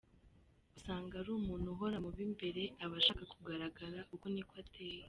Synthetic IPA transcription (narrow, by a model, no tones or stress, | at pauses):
usaːŋɡaɾuːmuːnhuɦo̞ɾamuβimbe̞ɾe̞aβaʃaːkakuɡaɾaɡaɾaʔuko̞nikwatʰeːje